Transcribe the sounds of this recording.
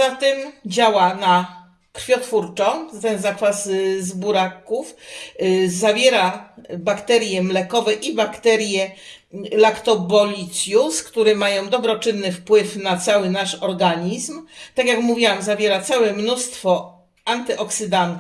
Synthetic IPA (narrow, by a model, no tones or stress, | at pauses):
zat̪ɛmd͡ʑawana | kɾfʲjɔt̪fuɾt͡ʂɔ̃t̪ɛnzakfazzbuɾakuf | zavʲjeɾabakt̪ɛɾʲjɛmlɛkɔvɛʔibakt̪ɛɾʲjɛ | lakt̪ɔbɔlʲit̪sʲjuskt̪uɾɛmajɔ̃w̃d̪ɔbɾɔt͡ʂɘnːɘfpwɘfnat̪sawɘnaʂɔɾɡaɲizmt̪akjakmuvʲiwamzavʲjeɾat̪sawɛmnust̪fɔ | ant̪ɘʔɔksɘd̪ant̪